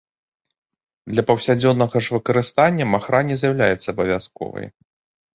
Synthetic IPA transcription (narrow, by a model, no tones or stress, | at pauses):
d̪lʲɐpɐwsʲad͡zʲɔnːɐɣɐʐvɨkɐɾɨst̪anʲːɐmaxɾanʲɛzʲjawlʲajɛt̪sɐːbɐvʲaskɔ̰vɐ̰j